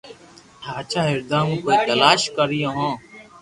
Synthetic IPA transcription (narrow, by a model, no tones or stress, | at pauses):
ʈʰaːt͡ʃʰaːɦɪɾd̪ãːmũːkoːiːt̪əlaːʃkəɾijõːɦõː